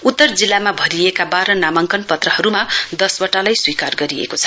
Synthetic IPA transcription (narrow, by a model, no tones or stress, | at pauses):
ut̪ːʌrd͡zilːamabʱʌɾiekabaɾʌnamʌŋkʌnpʌt̪rʌhʌɾumad̪ʌswʌʈalajswikarɡʌɾiḛkot͡sʰʌ̥